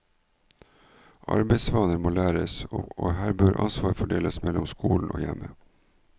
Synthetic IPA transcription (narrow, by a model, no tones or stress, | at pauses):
ʔɑ̰ɾbeɪsʋɑːnəɾmoːlæːɾəsʔoːhæːɾbøːɾʔɑnsʋɑːɾfɔɖeːləsmɛlʊmskuːln̩ʔo̰ːjɛmə